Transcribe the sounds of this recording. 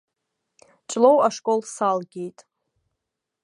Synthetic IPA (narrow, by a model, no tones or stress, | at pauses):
t͡ʃʷʼlowaʂkʼo̞lsalɡʲe̞jtʼ